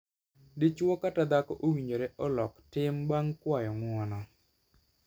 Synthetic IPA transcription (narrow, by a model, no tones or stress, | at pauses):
dit͡ʃwɔkatad̪akɔʔowiɲd͡ʒoɾɛʔɔlɔktɪmbaŋkwajɔŋwɔnɔ